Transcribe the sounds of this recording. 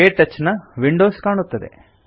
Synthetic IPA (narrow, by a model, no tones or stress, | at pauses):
eːʈːɐt͡ʃːɐnɐʋiɳɖoːskaːɳut̪ːɐd̪e̞̰